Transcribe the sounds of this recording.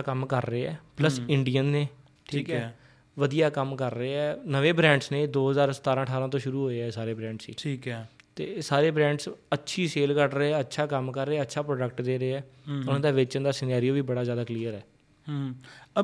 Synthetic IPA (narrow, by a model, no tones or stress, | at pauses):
aːkəmkəɾːəeːɛ̰ːpləsɪɳɖijənːeː | ʈʰiːkɛː | ʋəd̪ijaːkəmkəɾːəeːɛːnəʋeːbɾɛ̃ːɳɖsneːd̪oːɦəzaːɾsə̥t̪aːɾãːʈʰaːɾãːt̪̬õːʃʊɾuːɦoːeːɛːsaːɾeːbɾɛ̃ːɳɖsḭːʈʰiːkːt̪eːsaːɾeːbɾɛ̃ːɳɖsətːʃʰiːseːlkəɾɾəeːɛːətːʃʰaːkəmkəɾːeːətːʃʰaːpɾoːɖək̚ʈd̪eːɾeːɛːʊnãːd̪aːʋɪt͡ʃənd̪aːsɪneːɾijoːʋiːbəɽaːzjaːd̪aːkliːəɾɛː